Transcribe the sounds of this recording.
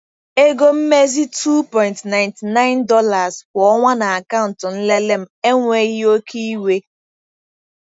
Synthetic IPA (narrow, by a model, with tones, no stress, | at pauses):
e˦ɡo˦m̩˦me˦zi˦tʰu˦pɔ˨ɪ̃˨ntna˨ɪ˨nti˨na˦ɪ˦ndɔ˦la˨zbʊ˨ɔ˦ŋʷa˦na˨a˨ka˦ʊ˨n̩˨tʊ˨n̩˦le˦le˦m̩˦e˦ŋʷe˦ɣi˦o˦kʰi˦i˦we˦